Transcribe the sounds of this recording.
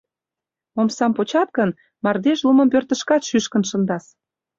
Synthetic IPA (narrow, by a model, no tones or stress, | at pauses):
omsɑmpot͡ɕɑt̪̚kə̆n | mɑrd̪eʃlumə̆mpørt̪ə̆ʃkɑt̪ʃyʃkə̆nʃə̆nd̪ɑs